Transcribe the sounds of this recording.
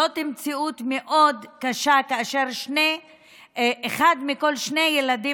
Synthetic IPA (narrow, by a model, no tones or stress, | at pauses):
ot̪imt͡siut̪meʔo̞dkaʃakaaʃe̞ʁʃne | eχad̪miko̞lʃne̞jeladi